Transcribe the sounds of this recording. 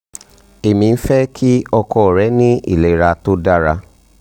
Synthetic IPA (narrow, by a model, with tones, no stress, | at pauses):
e˨mĩ˨˧n̩˦fɛ˦kʰi˦ɔ˧kɔ˧˨ɾɛ˨˦nĩ˦ḭ˦˨le˨˦ɾa˧to˦da˦ɾa˧